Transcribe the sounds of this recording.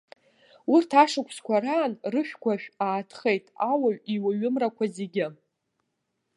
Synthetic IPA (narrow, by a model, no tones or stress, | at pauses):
urtʰaʂɨkʷʰskʷʰaraːnrɨʃᶣkʷʰaʃᶣaːtʰχejtʼawaɥiwaɥʊmrakʷʰazeɡʲɪ